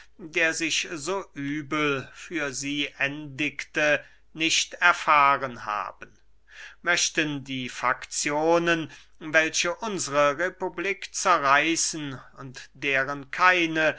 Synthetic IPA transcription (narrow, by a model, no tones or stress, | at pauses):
deːɐzɪçzoːʔyːbl̩fyːɐziːʔɛndɪktə | nɪʃtɛɐfaːʁənha̰ːbən̩ | mœʃtəndiːfakt͡sjoːnən | vɛlʃəʔʊnzəʁəʁepubliːkt͡sɛɐʁaɪsn̩ʊntd̥eːʁənkʰaɪnə